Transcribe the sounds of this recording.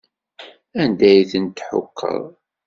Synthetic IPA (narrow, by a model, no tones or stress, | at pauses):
ænd̪æjθənt̪ːħʊ̰kʰːə̰ðˤ